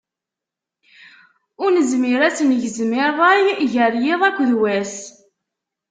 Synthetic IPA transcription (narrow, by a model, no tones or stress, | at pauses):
ʊɾnəzmɪɾæsənʝəzmɪɾˤɑjʝəɾjɪðˤækʷːðwæs